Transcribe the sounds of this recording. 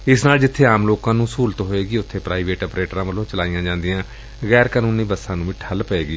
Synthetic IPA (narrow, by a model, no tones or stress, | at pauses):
ɪsnaːld͡ʒɪt̪ʰːeːaːmloːkãːnũːsuːlt̪ɦoːeːɡiːʊt̪ʰːeːpɾaːiːʋeːʈɔːpɾeːʈɾãːʋəlːõːt͡ʃəlaːijãːd͡ʒãːnd̪ɪjãː | ɣɛːɾkaːnũːniːbəsːãːnũːʋiːʈʰəlpəeːɡiː